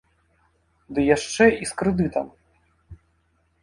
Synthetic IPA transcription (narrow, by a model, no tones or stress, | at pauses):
d̪ɨjaʂt͡ʂɛiskɾɨd̪ɨt̪ɐm